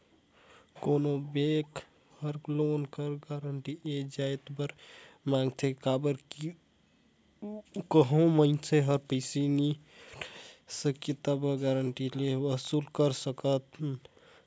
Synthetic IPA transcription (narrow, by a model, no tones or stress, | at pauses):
konobek | həɾlonkəɾɡaɾəɳʈied͡ʒajt̪bəɾmãŋɡt̪ʰekabəɾk | kəɦõməɪt͡ʃʰeɦəɾpəɪsini | səket̪abəɡaɾəɳʈileʋəsulkəɾsəkət̪